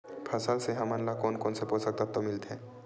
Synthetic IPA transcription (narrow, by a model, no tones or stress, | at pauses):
pʰɐsalseɦɐmənlakoːnkoːnsepoːsək̚t̪ap̚t̪omɪlt̪ɦɛ̃ː